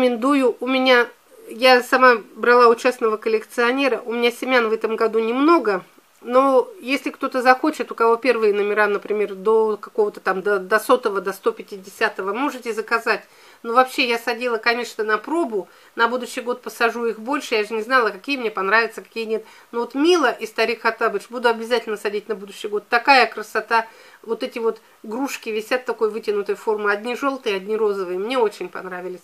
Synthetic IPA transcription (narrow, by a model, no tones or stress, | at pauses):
kəmʲɪnd̪ujʊʔʊmʲɪnʲa | jasɐmabɾɐlˠaʊt͡ɕasnəvəkəlʲɪkt̪sɨɐnʲe̞ɾəʔʊmʲɪnʲasʲɪmʲanvɛt̪əmɡɐd̪unʲɪmno̞ɡə | no̞jesʲlʲɪkt̪o̞t̪əzɐxo̞t͡ɕɪt̪ʊkɐvo̞pʲe̞rvɨjənəmʲɪɾanəpɾʲɪmʲe̞rd̪o̞kɐko̞vət̪ə̥t̪amd̪əd̪ɐso̞t̪əvəd̪ɐst̪o̞pʲɪtʲɪdʲɪsʲat̪əvəmo̞ʐɨtʲɪzəkɐzatʲ | novɐpɕːe̞jasɐdʲilˠəkɐnʲe̞ʂnənɐpɾo̞bʊ | nɐbud̪ʊɕːɪjɡo̞t̪̚pəsɐʐuixbo̞lʲʂɨjaʐɨnʲɪznɑlˠəkɐkʲijəmnʲepɐnɾavʲɪt̪səkɐ̥kʲijənʲe̞t̪ | novot̪mʲilˠəʔɪst̪ɐɾʲikxɐt̪abəʂbud̪ʊɐbʲɪzatʲɪlʲnəsɐdʲitʲnɐbud̪ʊɕːɪjɡo̞t̪t̪ɐkajəkɾəsɐt̪avo̞t̪ɛtʲɪvo̞t̪ | ɡɾuʂkʲɪvʲɪsʲat̪ːɐko̞jvɨtʲɪnʊt̪əjəfo̞rmɨɐdʲnʲiʐo̞lˠt̪ɨjɐdʲnʲiɾo̞zəvɨjəmnʲe̞o̞t͡ɕɪnʲpɐ̰nɾavʲɪlʲɪsʲ